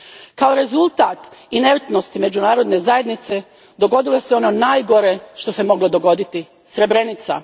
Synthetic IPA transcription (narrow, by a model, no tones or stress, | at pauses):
kao̞ɾe̞zulˠt̪aːt̪ineɾt̪no̞st̪imed͡ʑunaːɾo̞d̪ne̞zaje̞d̪nit̪se̞ | d̪o̞ɡo̞d̪ilˠo̞seo̞no̞naːjɡo̞ɾe̞ʃt̪o̞se̞mo̞ɡlˠo̞d̪o̞ɡo̞d̪it̪i | sɾe̞bɾe̞nit̪sa̰